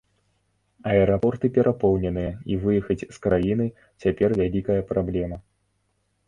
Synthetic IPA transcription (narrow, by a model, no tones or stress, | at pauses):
ɐɛɾapɔrt̪ɨpʲɛɾʔapɔwnʲɛnɨjɛivɨjɛxɐt͡sʲskɾajinɨ | t͡sʲapʲɛrvʲalʲikɐjɐpɾablʲɛmɐ